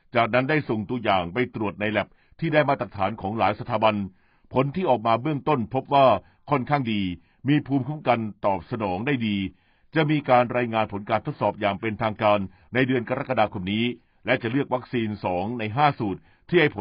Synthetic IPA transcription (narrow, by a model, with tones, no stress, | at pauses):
t͡ɕaː˨˩k̚na˦˥nda˥˩jso˨˩ŋt̪u˧əjaː˨˩ŋpa˧jt̪ɾu˨˩ət̪̚na˧jlɛ˨˩p̚ | t̪ʰiː˥˩daː˥˩jmaː˥˩t̪ɾa˨˩k̚t̪ʰaː˩˦nkʰɔː˩˦ŋlaː˩˦jsa˧t̪ʰaː˩˦ba˧n | pʰo˨˩˦nt̪ʰiː˥˩ʔɔː˨˩k̚maː˧bɯ˥˩əŋt̪o˥˩npʰo˦˥p̚waː˥˩ | kʰɔ˥˩nkʰaː˥˩ŋdiː˧ | miː˧pʰuː˧mkʰu˦˥˩mka˧nt̪ɔː˨˩p̚sa˧nɔː˩˦ŋdaː˥˩jdiː˧ | t͡ɕa˨˩miː˧kaː˧nɾaː˧jŋaː˧npʰo˩˦nkaː˧nt̪ʰo˦˥t̪̚sɔː˨˩p̚jaː˨˩ŋpe˧nt̪ʰaː˧ŋkaː˧nː | a˧jdɯ˧ənka˧ɾa˦˥ka˧daː˧kʰo˧mniː˦˥ | lɛ˦˥t͡ɕa˨˩lɯ˥˩ək̚wa˦˥k̚siː˧nsɔː˩˦ŋna˧jɦaː˥˩suː˨˩t̪̚ʰːiː˥˩ha˥˩jpʰo˦